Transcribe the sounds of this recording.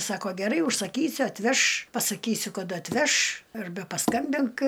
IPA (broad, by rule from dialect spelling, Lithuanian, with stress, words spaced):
ˈsɑːkoː ɡʲɛˈrɐɪ ʊʃsɐˈkʲiːsʲʊ ɐtʲˈʋʲɛʃ pɐsɐˈkʲiːsʲʊ kɐˈdɐ ɐtʲˈʋʲɛʃ ɐrʲˈbʲɛ pɐˈskɐmʲbʲɪŋk